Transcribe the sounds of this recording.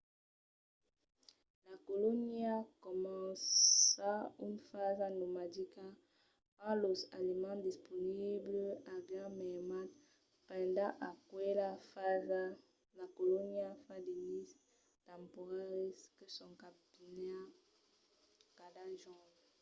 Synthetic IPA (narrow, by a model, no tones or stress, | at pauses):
lakoloniakomɑ̃saynfazanomadika | palozalimɑ̃disponibləaɡãmɛmat | pɛ̃ndãʔakwelafza | lakolonjafãdenis | tãmpoʁaʁiskəsɔ̃ŋkapina | kadaʒɔ̃d